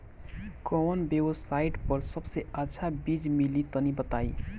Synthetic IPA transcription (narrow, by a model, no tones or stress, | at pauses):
kɔənbjebsaiʈpəɾsəbseətːʃʰabid͡ʒmilit̪ənibət̪ai